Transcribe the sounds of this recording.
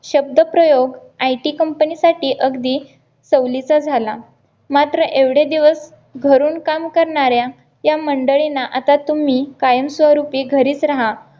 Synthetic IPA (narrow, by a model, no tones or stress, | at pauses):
ɕəb̚d̪əpɾəjoɡ | ajʈiːkəmpənisaʈiːʔəɡd̪iː | səwlit͡sad͡zʱala | mat̪ɾəʔeʋɽ̤ed̪iʋəs | ɡʱəɾuːnkamkəɾɳaɾja | jaməɳɖəɭinaʔat̪at̪um̤iːkajəmsʋəɾupiːɡʱəɾiːt͡sɾaɦa